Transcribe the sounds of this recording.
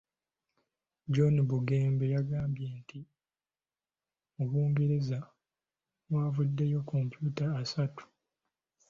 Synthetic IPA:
d͡ʒonibuɡeːmbe̞jaɡaːmbjeːntʰi | oβuːŋɡeɾeza | wwaːvudːe̞jo̞ko̞mpjuːtaːsatu̥

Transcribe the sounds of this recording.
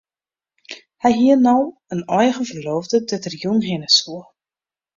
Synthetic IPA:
hɛjɦiənɔwənɔjɣəvərloːvdədɛtərjunɦɪnəsuə

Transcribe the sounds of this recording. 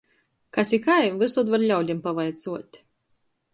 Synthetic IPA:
kasʲikajvɨsud̪vaɾʎʲawlʲimpavajt̪suɔt̪ʲ

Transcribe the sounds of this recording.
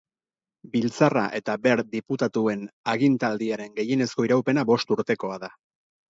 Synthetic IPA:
bilt͡saraʔe̞t̪abe̞ɾd̪iput̪at̪ue̞naɣint̪ald̪iaɾe̞ŋɡe̞je̞ne̞sko̞iɾawpe̞nabo̞st̪uɾt̪e̞ko̞aða

